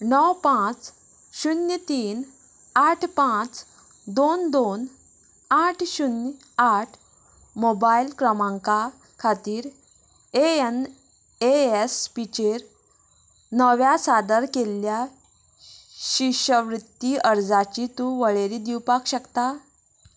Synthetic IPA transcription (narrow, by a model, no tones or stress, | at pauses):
nɔwpãt͡s | ɕunjət̪iːn | aʈʰpãt͡s | d̪ond̪on | aʈʰɕunj | aʈʰ | mobailkɾəmãŋka | kʰat̪iːɾ | een | eespit͡ɕeɾ | nəʋjasad̪əɾkelja | ɕiɕəʋɾut̪ːiəɾd͡zat͡ɕit̪uʋəɭeɾid̪iwpakɕəkt̪a